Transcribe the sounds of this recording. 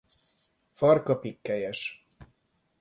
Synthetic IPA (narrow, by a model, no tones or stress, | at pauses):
fɒrkɒpikːɛjɛʃ